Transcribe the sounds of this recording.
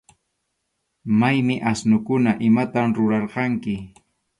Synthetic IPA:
majmɪʔasnʊkʊnaʔɪmat̪amɾʊɾɑɾqɑŋkɪ

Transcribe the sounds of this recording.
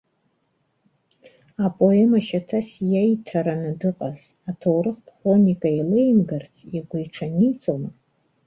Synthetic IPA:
apʼo̞emaʃatʰasjajtʰaɾanɨdɨqʼaz | atʰowɾɨχpʰχo̞nʲikʼailejmɡart͡sʰiɡʷujʈ͡ʂʰanit͡sʼoma

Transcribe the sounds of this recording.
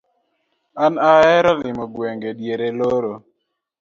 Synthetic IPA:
anaɛɾɔlɪmɔɡwɛŋɡeɗjeɾeloɾo

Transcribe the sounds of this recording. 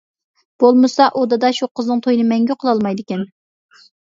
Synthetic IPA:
b̥olˠmɨsɑʔod̪ɨd̪ɑʃuqʰəznɨŋt̪ʰojnɨmɛŋɡʲyqʰəlˠɑlˠmɑjd̪ɪkʲɛn

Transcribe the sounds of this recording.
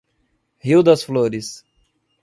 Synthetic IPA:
hiwd̪ɐsfloɾɪs

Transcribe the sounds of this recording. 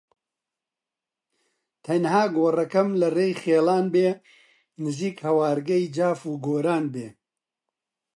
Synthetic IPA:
t̪ʰɐnhaːɡoːrɐkɐmlɐreːjχeːlaːnbeː | nɨziːkhɐwaːɾɡɐjd͡ʒaːfuːɡoːɾaːnbeː

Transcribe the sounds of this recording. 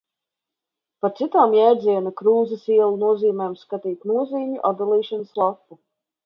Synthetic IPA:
paɾt̪sit̪aːmjɛːɾd̪ziɛnakɾuːzɐsiɛlˠunuɔziːmɛːmskat̪iːt̪nuɔziːmʲuʔad̪d̪alˠiːʃanəslˠakːu

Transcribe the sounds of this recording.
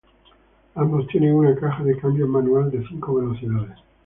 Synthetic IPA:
ambo̞st̪je̞ne̞ŋunakaxaðekambjomãnuald̪e̞θiŋko̞βe̞lo̞θiðaðes

